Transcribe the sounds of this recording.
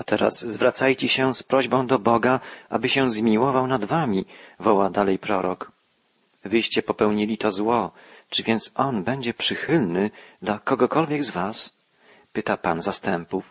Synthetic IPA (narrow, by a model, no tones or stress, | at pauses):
at̪ɛɾa̰sːvɾat̪sajt͡ɕɛɕɛspɾɔʑbɔ̃w̃d̪ɔbɔɡaʔa̰bɘɕɛzmʲiwɔvawnad̪vamʲivɔwad̪alɛjpɾɔɾɔk | vɘjɕt͡ɕɛpɔpɛwɲilʲit̪ɔzwɔ | t͡ʂɘvʲjɛnt̪sɔnbɛɲd͡ʑɛpʂɘxɘlnɘd̪lakɔɡɔkɔlvʲjɛɡzvas | pɘt̪apanzast̪ɛmpuf